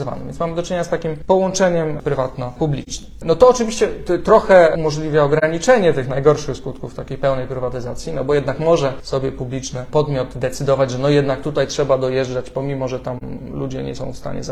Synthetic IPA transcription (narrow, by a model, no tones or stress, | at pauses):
zva̰nɪmvʲjnsmamɘd̪ɔt͡ʂɨɲeɲast̪akʲimpɔwɔnt͡ʂɛɲɛmpɾɘvat̪nɔpublʲit͡ʂnɨnɔt̪ɔːt͡ʂɘvʲiɕt͡ɕɛt̪ɾɔxɛumɔʐlʲivʲjaɔɡɾaɲit͡ʂɛɲɛt̪ɘxnajɡɔɾʂɘxskut̪kuft̪akʲejpɛwnɛjpɾɘvat̪ɘzat̪sʲjinɔbɔjɛd̪nakmɔʐɛsɔbʲjɛpublʲit͡ʂnɘpɔd̪mʲjɔt̪d̪ɛt̪sɘd̪ɔvad͡ʑʐɛnɔjɛd̪nak̚t̪ut̪ajtʂɛbad̪ɔjɛʐd͡ʐat͡ɕpɔmʲimɔʐɛt̪amlud͡ʑɛɲɛ̰sɔ̰̃w̃fst̪a̰ɲɛ̰za